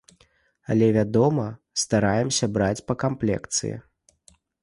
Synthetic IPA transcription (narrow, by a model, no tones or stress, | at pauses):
alʲɛvʲad̪ɔmɐ | st̪aɾajɛmsʲɐbɾat͡sʲpɐkamplʲɛ̰kt̪sɨ̰jɛ̰